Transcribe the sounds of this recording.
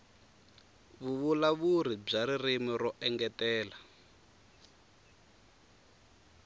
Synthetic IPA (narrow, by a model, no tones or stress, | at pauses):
βuβulaβuɾib͡ʐaɾirimiɾɔʔɛŋɡɛtɛːla